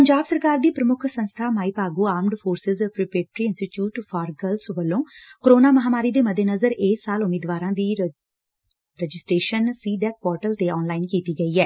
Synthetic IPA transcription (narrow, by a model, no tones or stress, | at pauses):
pəɲd͡ʒaːbsəɾkaːɾd̪iːpɾəmʊkʰsə̃nst̪ʰaːmaːiːpaːɡuːaːɾmɖfʰoːɾsɪzpɾɪpeːʈɾiːɪnsʈɪʈjuːʈfʰaːɾɡəlsʋəlːõːkoɾoːnaːməɦaːmaːɾiːd̪eːməd̪ʱeːnəzəɾeːsaːlʊmeːd̪ʋaːɾãːd̪iː | ɾɛd͡ʒɪsʈɾeːʃənsiːɖɛːk̚pɔːɾʈəlt̪eɔːnlaːɪnkiːt̪iːɡəiːɛː